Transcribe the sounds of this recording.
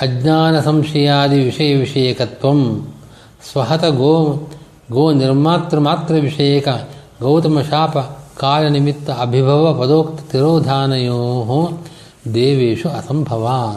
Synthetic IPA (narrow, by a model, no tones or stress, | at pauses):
ɐd͡ʒɲaːnɐsɐmʃɐjaːd̪iʋiʂɐjɐʋiʂɐjɐkɐt̪ʋɐm | sʋɐɦɐt̪ɐɡoː | ɡoːniɾmaːt̪ɾɐmaːt̪ɾɐʋiʂɐjɐkɐ | ɡɐwt̪ɐmɐʃaːpɐkaːlɐnimit̪ːɐɐbʱibʱɐʋɐpɐd̪oːkt̪ɐt̪iɾoːd̪ʱaːnɐjoːɦu | d̪eːʋeːʂuɐsɐmbʱɐʋaː